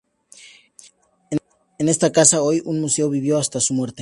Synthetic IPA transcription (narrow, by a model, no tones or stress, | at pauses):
enest̪akasaojuŋmuse̞oβiβjoast̪asumwe̞ɾt̪e